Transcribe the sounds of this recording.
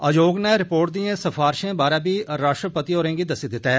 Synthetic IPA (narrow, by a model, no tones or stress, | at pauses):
əd͡ʒoːɡnɛːɾɪpoːɾʈ̚d̪ijãːsəfʰaːɾɪʃẽːbaːɾaːbiːɾaːʃʈɾəpət̪iːɦoːɾẽːɡiːd̪əsiːd̪ɪt̪ːa